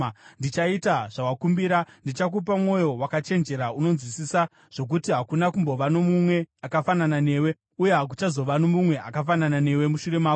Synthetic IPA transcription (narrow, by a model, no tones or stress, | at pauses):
ndit͡ʃaitaʐ̥awakumbiɾandit͡ʃak̬up̬amŋo̞jo̞wakat͡ʃe̞nd͡ʒe̞ɾauno̞nzwisisa | ʐ̥o̞k̬utiɦakunakumbo̞ʋano̞mumwe̞akafananane̞ːwe | ujeɦak̬ut͡ʃazo̞ʋano̞mumwe̞ʔakafananane̞we̞muʃure̞maːku